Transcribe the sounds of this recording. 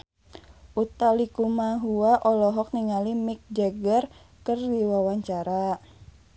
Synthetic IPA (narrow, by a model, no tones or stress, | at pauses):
ʔut̪alikumaɦuaʔɔlɔɦɔk̚niŋalimik̚d͡ʒaɡər | kərdiwawaɲt͡ʃaɾa